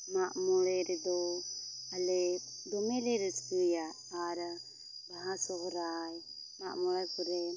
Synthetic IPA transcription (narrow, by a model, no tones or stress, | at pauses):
maʔmɔlɛɾɛd̪ɔ | alɛ | d̪ɔmɛlɛɾɛskujaː | ɾa | baɦasɔɦɔɾaj | ma̰ʔmɔlajkuɾɛ